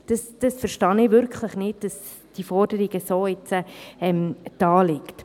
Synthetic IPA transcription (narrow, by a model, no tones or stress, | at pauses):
d̥ɑsd̥ɑsfəɾʃtɑnɪʋʏɾkχləχnɪd̚d̥ɑs | d̥ifɔɾd̥əɾiɡəsoːɪt͡səɛmd̥ɑːlɪkt